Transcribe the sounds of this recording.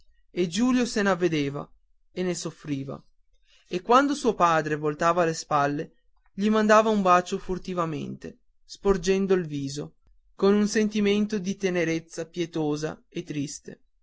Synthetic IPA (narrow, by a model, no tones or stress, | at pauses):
ed͡ʒuːljosenavːed̪eːva̰ | enːesofɾiːva̰ | ekːwand̪osuːopaːd̪ɾevolt̪aːvalespalːe | ʎimand̪aːvaumbaːt͡ʃofurt̪ivamḛnt̪e | spord͡ʒɛnd̪oilviːzo | konunsent̪iment̪od̪it̪eneɾet̪sːapjet̪oːza̰et̪ːɾist̪ḛ